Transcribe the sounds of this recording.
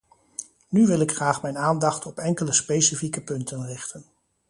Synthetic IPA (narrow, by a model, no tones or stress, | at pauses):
nyʋɪlɪkχraːχmɛjnaːndɑχtɔpɛŋkələspejsifikəpɵntʰənrɪχtən